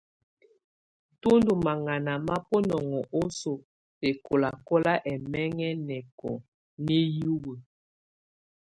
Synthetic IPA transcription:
to˦ndu˨ma˨ŋa˨na˨ma˦po˦nɔ˨ŋɔ˨ʔo˦so˨ | te˨kʰo˨la˨kɔ˦la˦ʔɛ˨mɛ˦ŋɛ˦nɛ˨kɔ̰˨ | ne˦ju˦wə˨

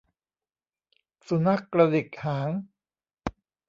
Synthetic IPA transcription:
su˨˩˦na˦˥˩kːɾa˧di˨˩k̚haː˩˦ŋ

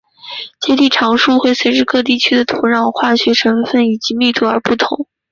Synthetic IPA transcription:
t͡ɕjɛ˥t̪i˥˩ʈ͡ʂʰɑ˧˥ŋʂu˥˧xwe˥˩ɪswe˧˥ɪʂɻ̩˥˧kɤ˥˧t̪̬i˥˩t͡ɕʰy˥d̪ə˨t̪ʰu˧˥ɻɑ˥˩ŋxwa˥˩ɕɥɛ˧˥ʈ͡ʂʰɤ˧˥nfə˥˩ni˨˩t͡ɕi˧˥mi˥˩t̪ʰu˥˩ə˞˧˥pu˥˩t̪ʰʊ˧˥ŋ

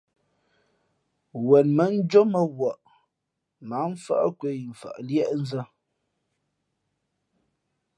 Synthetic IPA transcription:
wɛ˨nmə˨˦n̩˦d͡ʒo˦mə˦wɔ˨ʔ | ma˨˦m˦fa̰˦ʔkwe˦jɱ̩˨fa̰˨ʔljɛ˦ʔn̩˦zə˦

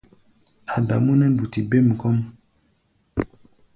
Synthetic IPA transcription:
a˨da˨mu˦nɛ˦n̩˦du˨ti˨be˦˨m̩˨kɔ˦m

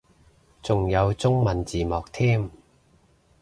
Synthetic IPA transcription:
t͡sʊ˨˩ŋjɐ˨˧wt͡sʊ˥ŋmɐ˨nt͡siː˨˩mɔː˨˩k̚t̪ʰiː˥m

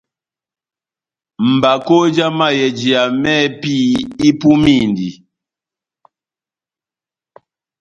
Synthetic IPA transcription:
m̩˨ba˨ko˦d͡ʒa˦ma˦jɛ˨d͡ʒi˨a˨mɛ˦pi˦i˦pu˦mi˦˨ndi˨

